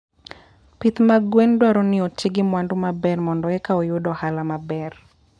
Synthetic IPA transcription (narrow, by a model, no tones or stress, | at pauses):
pit̪maɡwendwaɾɔnɪɔtʰɪɡɪmwandumabɛrmɔndɔɛkaɔjʊdɔhalamabɛr